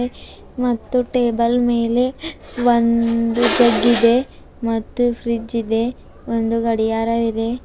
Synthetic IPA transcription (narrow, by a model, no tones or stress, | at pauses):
e | mɐt̪ːuʈe̞ːbɐlme̞ːle̞ʋond̪ud͡ʒɐɡːid̪e̞ | mɐt̪ːufɾid͡ʒid̪e̞ | ond̪uɡɐɽijaːɾɐʋid̪e̞